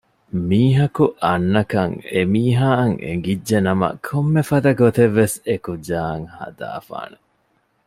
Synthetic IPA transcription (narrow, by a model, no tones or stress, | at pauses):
miːɦɐkuʔɐnːɐkɐŋemiːɦaːɐŋḛŋɡidːʒenɐmɐ̰kʰomːefɐd̪ɐɡot̪eʋːesekud͡ʒaːŋhɐ̰d̪a̰ːfa̰ːne